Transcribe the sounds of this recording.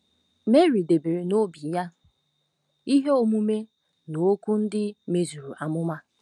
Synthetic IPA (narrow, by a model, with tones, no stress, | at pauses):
me˦ɾi˨de˨be˨ɾe˨no˦bi˨ja˦ | i˦ɦe˦o˦mu˦me˦ | no˨˦ku˦n̩˦dɪ˦me˨zu˨ɾu˨ʔa˨mʊ˦ma˦